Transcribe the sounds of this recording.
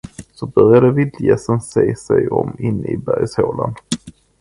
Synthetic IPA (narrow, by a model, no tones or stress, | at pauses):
sɔbœɾjad̪əvɪd̪ljɛsənseːsɛjɔmːɪnːɪbæɾjshoːland̪̥